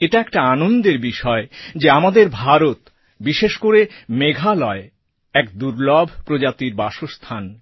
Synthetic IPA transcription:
eʈaɛkʈaanond̪eɾbiʃɔed͡ʑeamad̪eɾbʱaɾot̪ | biʃeʃkoɾemeɡʱalɔe | ɛkd̪uɾlɔbʱpɾod͡ʑat̪iɾbaʃost̪ʰan

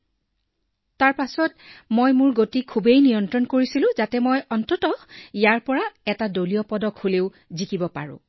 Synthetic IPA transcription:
taɹpasɔt̚mojmʊɹɡotikʰubejnijɔntɹɔnkoɹisilʊ̃zatɛmojɔntɔtɔijaɹpɔɹaɛtadolijɔpɔdɔkʰholeʊ | zikibɔpa̰ɹʊ̰̃

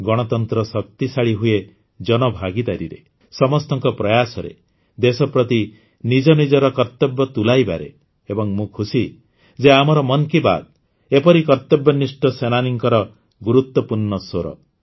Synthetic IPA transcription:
ɡɔɽ̃ɔt̪ɔnt̪ɾɔsɔkt̪isaɭiɦue | d͡ʒɔnɔbʱaɡid̪aɾiɾe | sɔmɔst̪ɔŋkɔpɾɔjasɔɾḛ | d̪esɔpɾɔt̪i | nid͡ʒɔnid͡ʒɔɾɔkɔɾt̪ɔbjɔt̪ulajba̰ɾḛ | ebɔŋmũkʰusi | d͡ʒeamɔɾɔmɔnkiba̰d̪̚ | epɔɾikɔɾt̪ɔbjɔnisʈɔsenaniŋkɔɾɔ | ɡuɾut̪wɔpuɾnɔsoɾɔ̰

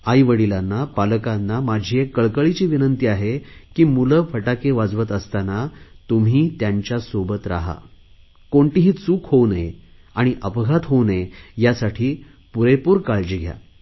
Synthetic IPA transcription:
ajʋəɽilanːapaləkanːamad͡ʑʱiekːəɭkəɭit͡ɕiːʋinənt̪iaɦekiːmuləfəʈakeʋad͡zʋət̪əst̪anat̪um̤iːt̪jaɲt͡ɕjasobət̪ɾa̰ɦa̰ | koɳʈiɦiːt͡suːkhowne | aɽ̃iʔəpɡʱat̪ɦonejasaʈʰiː | puɾepuːɾkaɭd͡ʑiɡʱja̰

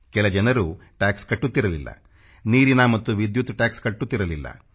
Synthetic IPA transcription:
kɛlɐd͡ʒɐnɐɾuːʈaːkskɐʈːut̪ːiɾɐlilːɐ̰ | niːɾinɐmɐt̪ːuʋid̪jut̪ːʈaːkskɐʈːut̪ːiɾɐlilːɐ̰

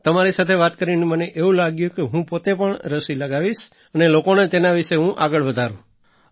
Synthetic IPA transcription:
t̪əmaɾisat̪ʰeʋat̪kəɾineməneʔeũlaɡjũkeɦũpot̪epəɳɾəʃiləɡaʋiʃ | ənelokonet̪enaʋɪʃeɦũʔaɡəɭʋəd̪ʱaɾũ

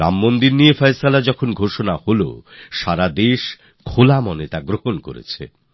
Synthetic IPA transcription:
ɾa̰mːond̪iɾnijefajsalad͡ʑɔkʰonɡʱoʃonaholo̰ʃaɾad̪eʃ | kʰolamɔnet̪aɡɾoɦonko̰ɾḛt͡ɕʰḛ

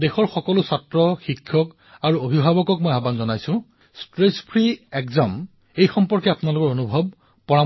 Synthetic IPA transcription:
dexɔɹxɔkɔlʊsatɹɔxikʰːɔk | aɹuobʱibʱabɔkɔk̚mojabanzɔnajsʊ̃ | stɹespʰɹiekzam | ejxɔmpɔɹkɛapunalʊkɔɹonubʱɔb̚ | pɔɹa

